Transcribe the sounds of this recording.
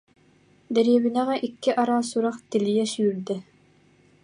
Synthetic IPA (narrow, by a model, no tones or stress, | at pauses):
d̪ɛɾijɛbinɛʁɛʔikːiʔɑɾaːsuɾaχt̪ilijɛsyyɾd̪ɛ